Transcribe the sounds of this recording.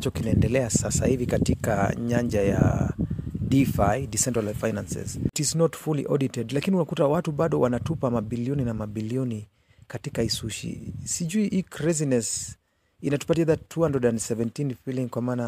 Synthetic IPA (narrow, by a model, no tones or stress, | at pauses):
t͡ʃɔkinaɛndɛlɛasasa̰hivikatika̰ɲaɲd͡ʒaja̰ | difajdisɛntalalfajnansɛ̰ztiznɔtfulḭʔɔɗitɛdlakiniunakutawatuɓaɗɔwanatupamaɓiliɔninamaɓiliɔni | katikaisuʃḭsiʄuiʔikɾɛzinɛs | inatu̥patiaðatʰːuandɔɗansɛvɛntinfiliŋkwamaːna